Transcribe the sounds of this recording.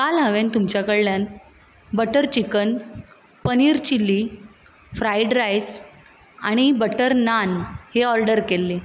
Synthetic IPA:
kalɦəʋent̪umt͡ɕjakəɭːjan | bəʈəɾt͡ɕikən | pəniːɾt͡ɕilːi | fɾajɖɾajs | a̰ɽ̃ibəʈəɾnanheɔɾɖəɾkelːe

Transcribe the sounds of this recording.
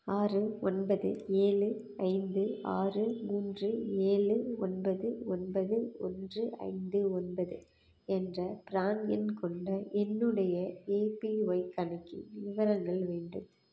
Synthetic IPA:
aːrɯɔnbɐðɯ̰eːɭɯ | ɐɪnd̪ɯa̰ːrɯmuːndrɯeːɭɯɔnbɐðɯɔnbɐðɯɔ̰ndrɯɐ̰ɪnd̪ɯɔnbɐðɯ | ɛndrɐpɪɾaːnjɪnkɔɳɖɐʔɛnːɯɽɐjɐeːpiʋɐɪkːɐnɐkːɯ̰ʋɪʋɐɾɐŋɡɐɭʋeːɳɖɯm

